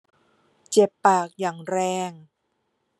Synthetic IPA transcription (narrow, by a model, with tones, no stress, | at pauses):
t͡ɕe˨˩pːaː˨˩k̚jaː˨˩ŋɾɛː˧ŋ